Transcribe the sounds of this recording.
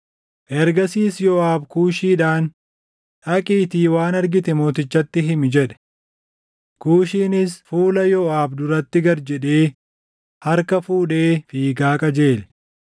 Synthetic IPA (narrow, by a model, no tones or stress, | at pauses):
ʔɛɾɡɐsiːsjɔaːbkuːʃiːᶑaːn | ʔɐkʼiːt̪iːwaːnɐɾɡɪt̪ɛmoːt̪ɪt͡ʃːɐt̪ːɪɦɪmɪd͡ʒɛᶑɛ̥ | kuːʃiːnɪsfuːlɐjɔaːbd̪ʊɾɐt̪ːɪɡɐɾd͡ʒɛᶑe̞ː | hɐɾkɐfuːᶑeːfiːɡaːkʼɐd͡ʒe̞ːl